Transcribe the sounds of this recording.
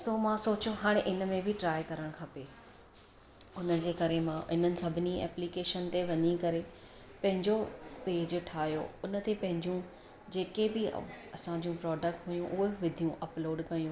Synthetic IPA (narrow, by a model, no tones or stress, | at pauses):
somãsoːt͡ɕoɦaːɽ̃eʔɪnə̆mẽbʱɪʈɾaːjkɐɾəɽ̃kʰɐpe | ʊnə̆d͡ʑeːkɐɾemãʔɪnənɪ̆sɐbʱɪniɛ̰ːplikeːʃənt̪eʋɐ̃nikɐɾe | pɐ̃ɦɪ̃ɲd͡ʑopeːd͡ʑʈʰaːɦjo̰ʊnə̆t̪epɐ̃ɦɪ̃ɲd͡ʑũ | d͡ʑeːkebɪ̰ɐsãɲd͡ʑũpɾɔːɖək̚ʈɦujũʔʊɦeʋɪd̪ʱijũʔɐploːɖkɐjũ